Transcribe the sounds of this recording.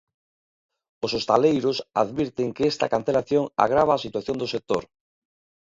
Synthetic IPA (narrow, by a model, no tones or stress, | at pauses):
osost̪alejɾʊsa̰ðβiɾt̪eŋkeest̪a̰kanθelaθjoŋa̰ɣ̞ɾaβ̞aːsit̪waθjond̪osek̚t̪o̰ɾ